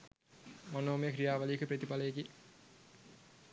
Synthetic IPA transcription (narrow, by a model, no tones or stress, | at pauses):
monoːmejəkɾijaːʋɐlijəkʰɨpɾət̪ipalɐjeki